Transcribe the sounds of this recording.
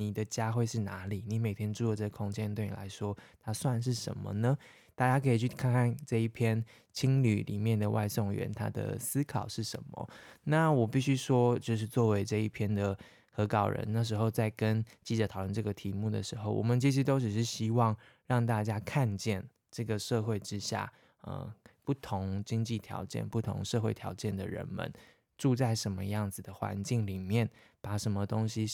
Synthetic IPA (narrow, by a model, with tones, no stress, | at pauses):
ni˨˩d̪ə˦t͡ɕja˦˥xwe˥˧ɪʂɻ̩˥˩na˧˥˦li˨˩ni˧˥me˨˩ɪt̪ʰjɛ˥nʈ͡ʂu˥˧o˥˩ʈ͡ʂɤ˥˩ɡə˨˩kʰʊ˥ŋt͡ɕjɛ˥nt̪we˥˩ɪnḭ˨la̰˧˥˦ɪʂwɔ˥t̪ʰa˥swa˥˧nʂ̬ɻ̩˥˩ʂə̰˧˦nmə̰˧nə˨ | t̪a˥˩t͡ɕja˥kʰɤ˧˥i˨˩t͡ɕʰy˥˩kʰa˥˧nkʰa˥˩nʈ͡ʂɤ˥˧i˥˩pʰjɛ˥n | t͡ɕʰi˥ŋly˨˩lḭ˨˩mjɛ˥˩nd̪ə˩wʔa̰˥˧ɪso˥˨˩ŋɥɛ̰˧˦nt̪ʰa̰˥d̪ə̰˨˩sɹ̩˥kʰɑ˨˩ʊʂɻ̩˥˩ʂə̰˧˦nmə̰˨˦na˥˨wɔ˨˩pi˥˩ɕy˥ʂwɔ˥t͡ɕjo˥˧ʊʂ̬ɻ̩˥˧t͡swɔ˥˩we˧˥ɪʈ͡ʂɤ˥˧i˥˩pʰjɛ˥nd̪ə˨ | xɤ˧˥kɑ˨˩ʊɻə̰˧˦nna˥˩ʂ̬ɻ̩˧˥xo˥˧ʊt͡sa˥˩ɪkə˦˥nt͡ɕi˥˩t͡sɤ˧˥t̪ʰʊwə˥˧nʈ͡ʂɤ˥˩ɡə˩t̪ʰi˧˥mu˥˩d̪ə̰˩ʂɻ̩˧˥xo˥˩ʊwʔɔ̰˨˩mə˨˦nt͡ɕi˥t͡ɕʰi˥t̪o˥ʊʈ͡ʂɻ̩˨˩ʂɻ̩˥˩ɕi˥wɑ˥˧ŋ | ɻɑ˥˧ŋt̪a˥˧t͡ɕja˥kʰa˥˧nt͡ɕjɛ˥˩n | ʈ͡ʂɤ˥˩ɡə˩ʂɤ˥˧xwe˥˩ɪʈ͡ʂɻ̩˦ɕja̰˥˩ | ə̰˨˩pu˥˩t̪ʰʊ˧˥ŋt͡ɕi˥ŋt͡ɕi˥˩t̪ʰjɑ̰˧˥ʊt͡ɕjɛ̰˥˧˨npu˥˩t̪ʰʊ̰˧˥ŋʂɤ˥˧xwe˥˩ɪt̪ʰjɑ˧˥ʊt͡ɕjɛ˥˩nd̪ə˨˩ɻə̰˧˥nmə̰˧˦n | ʈ͡ʂu˥˧t͡sa˥˩ɪʂə˧˥nmə˧jɑ˥˩ŋd͡zɹ̩˨˩d̪ə˩xwa̰˧˦nt͡ɕi˥˩ŋli˨˩mjɛ˥˩n | pa˨˩ʂə˧˥nmə˧t̪o˥ŋɕi˧